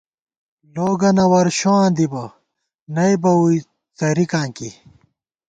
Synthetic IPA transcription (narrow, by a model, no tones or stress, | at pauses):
loːɡɐnɐwɐɾɕoãːd̪ibɐ | nɐjbɐui | t͡sɐɾikãːŋki